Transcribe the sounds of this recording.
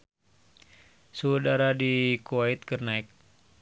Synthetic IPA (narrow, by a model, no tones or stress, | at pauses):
suudaɾadikuait̪̚kərnaik̚